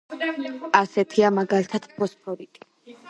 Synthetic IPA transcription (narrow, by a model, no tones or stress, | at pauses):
asɛt̪ʰiamaɡalit̪ʰad̪̥pʰɔspʰɔɾit̪ʼi̥